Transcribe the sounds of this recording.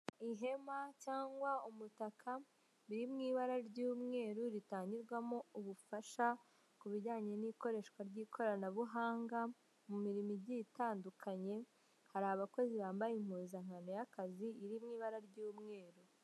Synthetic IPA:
iɦe̞macaːŋɡwaumutakʰa | βiɾimŋiːβaɾaɾɟuːmŋe̞ːɾuɾitaːɲɟiɾɡwamouβufaʃa | kuβiɾɟaːɲe̞niko̞ɾe̞ːʃkwaɾɟiːkʰo̞ɾanaβuɦaːŋɡa | mumiɾimibɟitaːndukʰaɲe̞ | haɾaaβako̞ziβaːmbajem̥uːzaŋ̥ano̞jakaziiɾimŋiːβaɾaɾɟuːmŋe̞ːɾu

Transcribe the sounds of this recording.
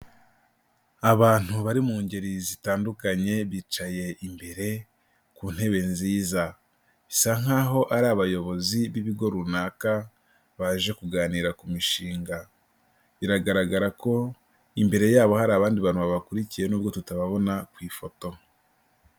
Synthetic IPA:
aβaːn̥huβaɾimuːɲɟe̞ɾizitaːndukaɲe̞βiːt͡ʃaje̞ʔimbe̞ɾe̞ | kuːn̥he̞βe̞nziːza | isaŋaːɦo̞ʔaɾaβajo̞βo̞ziβiβiɡo̞ɾunaːka | βaʒe̞kuɡaːniːɾakumiʃiːŋɡa | βiɾaɡaɾaɡaɾako̞ | imbe̞ɾe̞jaːβo̞haɾaːβaːndiβaːn̥huβaβakuɾicije̞nuːbɡo̞tutaβaβo̞nakwiːfo̞to̞

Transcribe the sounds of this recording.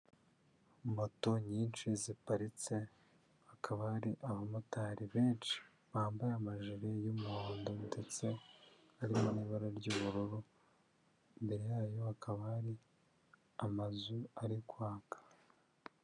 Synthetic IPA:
moto̞ɲiːnt͡ʃizipaɾit͡se̞ | akʰaβahɾiʔaβamutaɾiβe̞ːnt͡ʃi̥ | βaːmbajamaʒiɾejomuhoːndo̞nde̞t͡se̞ | aɾimoniːβaɾaɾɟuːβuɾuɾu | imbe̞ɾejaːjo̞akaβaaɾi | amazuaɾikwaːkḁ

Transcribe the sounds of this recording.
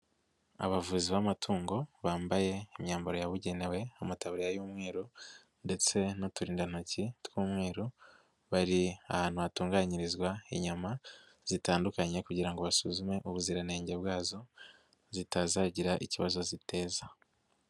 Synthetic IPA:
a̰βavuziβamatʰuːŋɡo̞βaːmbaje̞imɲaːmboɾojaβuɟe̞ne̞we̞amataβuɾijajuːmŋe̞ːɾo | nde̞t͡se̞notuɾiːndanucitwuːmŋe̞ːɾo | βaɾia̰haːn̥huatuːŋɡaɲiɾizɡwaiɲuma | z̥itaːndukaɲe̞kuɟiɾaŋɡo̞βasuzume̞ʔuβuziɾane̞ːɲɟebɡaːzo̞ | zitazaːɟiɾaʔiciβazo̞zite̞ːza

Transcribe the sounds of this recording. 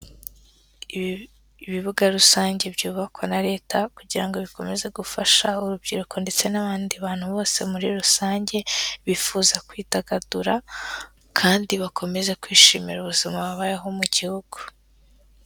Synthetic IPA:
i | βiβuɡaɾusaːɲɟe̞bɟuːβakwonaɾe̞ːtʰakuɟiɾaŋɡo̞βiko̞meze̞ɡufaʃauɾub̚ɟḭːɾuko̞nde̞t͡se̞naβaːndiβaːn̥huβo̞ːse̞muɾiɾusaːɲɟe̞βifuːzakwiːtaɡaduɾa | kʰaːndiβakʰo̞me̞ze̞kwiːʃḭːmḭɾuβuzimaβaβajeɦo̞muɟihuɡ̥u̥

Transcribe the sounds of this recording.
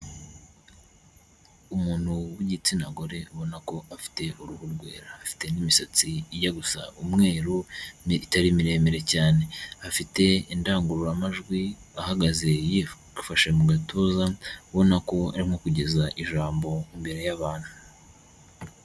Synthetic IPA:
umuːn̥huwiɟit͡sinaɡo̞ɾe̞uβo̞nako̞ʔafi̥te̞ʔuɾuhuɾɡwe̞̰ːɾaːfi̥te̞nimisat͡siijaɡusa̰umŋe̞ːɾuitaɾimiɾe̞ːmeɾe̞caːne̞afite̞indaːŋɡuɾuɾamaʒɡwiahaɡaze̞ji | faʃemuɡatʰoːzauβo̞nako̞a̰ɾimho̞kuɟe̞zaʔiʒaːmbo̞imbe̞ɾe̞jaβaːn̥hu

